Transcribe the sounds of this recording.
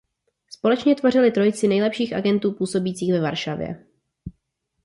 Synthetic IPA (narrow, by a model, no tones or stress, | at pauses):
spo̞lɛt͡ʃɲɛt̪vor̝ɪlɪt̪ɾo̞jt͡sɪnɛjlɛpʃiːxʔa̰ɡɛnt̪uːpuːso̞biːt͡siːxvɛvaɾʃavjɛ̰